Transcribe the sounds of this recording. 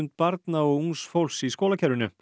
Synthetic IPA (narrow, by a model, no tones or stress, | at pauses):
nt̪̚paɾt̪naɔɣuŋsfowlsiskoːlacʰɛɾvɪnʏ